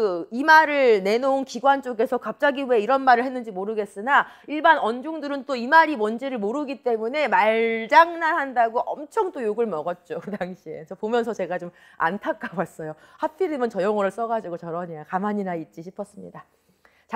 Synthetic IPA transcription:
ɯimaɾɯɭne̞noonkiɡwant͡ɕ͈oɡe̞sʰʌkap̚t͡ɕ͈aɡiueiɾʌnmaɾɯɭhe̞nːɯnd͡ʑimoɾɯɡe̞s͈ɯnaiɭbanʌnd͡ʑuŋdɯɾɯnt͈oimaɾimʌnd͡ʑiɾɯɭmoɾɯɡit͈e̞mune̞maɭd͡ʑaŋnanhandaɡoʔʌmt͡ɕʰʌŋdojoɡɯɭmʌɡʌt̚t͡ɕ͈okɯdaŋɕʰie̞t͡ɕʌpomjʌnsʰʌt͡ɕe̞ɡat͡ɕom | a̰ntʰak͈awas͈ʌjohapʰiɾɯmɯnt͡ɕʌjʌŋʌɾɯɭs͈ʌɡad͡ʑiɡot͡ɕʌɾʌɲijakamaɲinait̚t͡ɕ͈iɕʰipʰʌs͈ɯmɲida | t͡ɕ

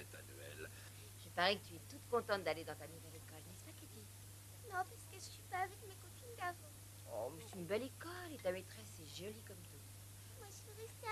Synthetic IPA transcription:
ɛt̪a̰nyɛ̰l | ʒəpaʁɛkət̪yɛt̪ut̪kɔ̃t̪ɑ̃t̪̚d̪aled̪ɑ̃t̪anuvɛlekɔlnɛspakət̪i | nɔ̃pasə̥kəʒəsɥipaːvɛkmekot̪inɡ̪aʁɔ̃ | ɔ̰mɛsɛ̥t̪ynbɛlekɔlet̪amet̪χɛsɛʒɔlikɔmt̪u | mwaʒiʁɛst̪e

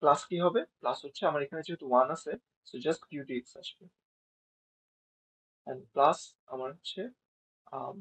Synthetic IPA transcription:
plaskiɦɔbeplasɦotːɕʰeamaɾekʰaned͡ʒeɦɛt̪uwanase | sod͡ʒɐstʈkjuɖitsaʃke | ɛ̃nɖplas | a̰maɾːt͡ɕʰe | am

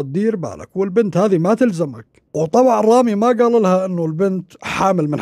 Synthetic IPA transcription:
t̪̚d̪iːɾba̰ːla̰kwɪlbɪnt̪haːðimat̪ɪlzamak | wt̪ˤːɑbɑʕrˤːɑːmimaɡaːlɪlhaʔɪnːulbɪnt̪ħaːmɪlmɪn

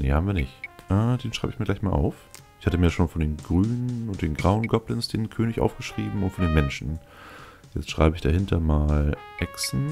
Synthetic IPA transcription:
nḛːhaːbm̩viɐnɪ̰çʔɛːdeːnʃʁ̥aɪbəɪçmiɐɡlaɪçmaːlʔa̰ʊf | ʔɪçhatəmiːɐjaʃoːnfɔndeːnɡʁyːnənʊnt̚d̥eːnɡʁaʊənɡɔplənsd̥eːnkʰøːnɪçʔa̰ʊfɡ̥əʃʁ̥iːbm̩ʊntfɔndeːnmɛnʃn̩ | jɛt͡stʃʁ̥a̰ɪbəɪçd̥ahɦɪntʰɐmaːlʔɛksn̩

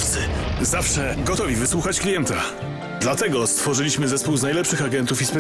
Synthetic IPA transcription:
fsɘzafʂɛɡɔt̪ɔvʲivɘswuxat͡ɕklʲijɛnt̪a | d̪lat̪ɛɡɔst̪fɔʐɘlʲiɕmɘzɛspuwznajlɛpʂɘxaɡɛnt̪ufispɛ

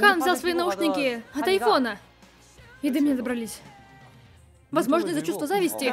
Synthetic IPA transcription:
kanvzʲalˠsvɐjɛnɐuʂnʲɪkʲiɐt̪ɐjfɔnɐ | jid̪ɨmʲnʲɛzɐbɾɐlʲisʲ | vɐzmɔʐnɐzɐt͡ɕust̪vɐzavʲɪsʲtʲi

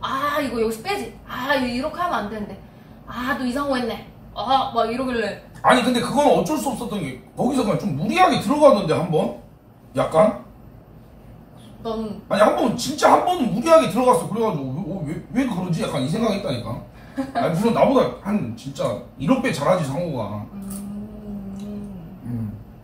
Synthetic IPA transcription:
aiɡʌjʌɡsʰɯ̥p͈ed͡ʑiaiɾʌkʰeaamɯandenɯnde̞ | atoisʰaŋoɦenːe̞ | amaɡiɾʌɡeɾeaɲikɯnde̞kɯɡʌnɯnʌt͡ɕ͈ʌɭs̬͈uʌp̚s͈ʌt͈ʌnɡe̞kʌɡisʰʌkmat͡ɕomːuɾiɦaɡe̞tɯɾʌɡanːɯnde̞hambʌn | jak͈̚an | nʌmaɲihambʌnt͡ɕint͡ɕ͈ahambʌnɯmuɾiɦaɡe̞tɯɾʌɣas͈ʌokɯɾeɡadɯoweowewekɯɾʌnd͡ʑijak͈anis̬ʰe̞ŋɡakiɦet͈aɲik͈a | akɯɾʌnːabodahant͡ɕint͡ɕ͈aiɾʌkp͈e̞t͡ɕaɾɦad͡ʑisʰaŋoɡa̰ | ɯm

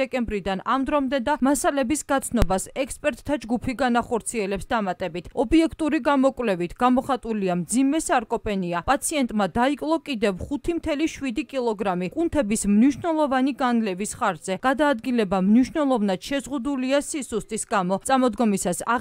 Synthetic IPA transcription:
ɛkʼɛmbɾid̪anamd̪ɾɔmd̪ɛd̪amasalɛbisɡat̪sʰnɔbasɛkspʼɛɾt̪ʼt̪ʰːad͡ʒɡupʰiɡanaχɔɾt̪sʰiɛlɛpsd̪amat̪ʼɛbit̪ʰɔbiɛkʰt̪ʼuɾiɡamɔkʼvlɛvit̪ʰɡ̥amɔχat̪ʼuliamd̪zimɛsaɾkʼɔpʼɛniapʼat̪sʰiɛnt̪ʼmad̪aikʼlˠɔkʼid̪ɛvχut̪ʰimt̪ʰɛliʃwid̪ikʼilˠɔɡɾamikʼunt̪ʰɛbismniʃnɛlˠɔvaniɡanlɛvisχaɾzɛɡ̥ad̪aːd̪ɡilɛbamniʃnɛlˠɔvnad̪̥ʃɛzʁud̪uliasisust̪ʼisɡamɔt̪sʼamɔd̪ɡɔmisasa̰

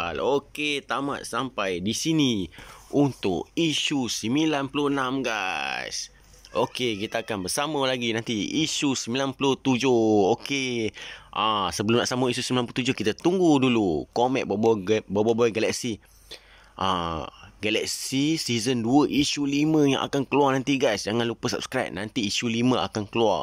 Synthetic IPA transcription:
aloket̪ama̰ʔ̪sampajdisiniunt̪ʊ̰kisusimilanpulonamɡas | okekit̪aakanbəsaməlaɡinant̪iisusəmilanpuloht̪ud͡ʒohoke | ʔasəbəlʊmnaʔsaməisusimilanpulot̪ud͡ʒohkit̪at̪uŋɡudulukomɛ̰̃ʔ̚babbababaɡalak̚si | ʔa̰ɡalak̚sisizənduəʔisulimə̃ja̰ŋʔa̰kankəluarnant̪iɡajsd͡ʒaŋãnlupəsa̰b̚skɾajp̚nant̪iːsulimə̃a̰kankəlua̰r

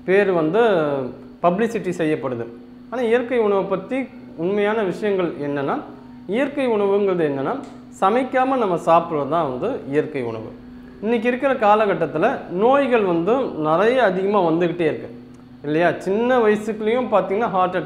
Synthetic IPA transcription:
peːɾʋɐnd̪ɯ | pɐblɪsɪʈːisɛjːɐpːɐɽɯðɯ̰ | aːnaːɪjɐɾkɐɪʊɳɐʋɯpɐt̪ːi | ʊnmɐjaːnɐʋɪʂɐjɐŋɡɐɭɛnːɐnːaː | ɪjɐɾkɐɪʊɳɐʋɯŋɡɐɾɐðɯɛnːɐnːaː | sɐmɐɪkːaːmɐnɐmːɐsaːpɯɾʋɐt̪ãːʋɐnd̪ɯɪjɐɾkɐɪʊ̰ɳɐ̰ʋɯ̰ | ɪnːɪk̬ːɪɾɯkːɪɾɐkaːlɐɣɐʈːɐt̪ːɪlɐnoːjɣɐɭʋɐnd̪ɯnɪrɐjɐːðɪɣɐmaːʋɐnd̪ɯɣɪʈːeːɪɾɯkːɯ̃ | ɪlːɐjaːt͡ʃɪnːɐʋɐjɐsɯkːɯlɐjʊ̃paːɾt̪iːŋɡɐnːaːɦaːɾʈɐʈ

